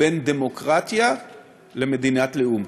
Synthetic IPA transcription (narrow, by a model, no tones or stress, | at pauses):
end̪emo̞kʁat̪ja | le̞me̞d̪inat̪leum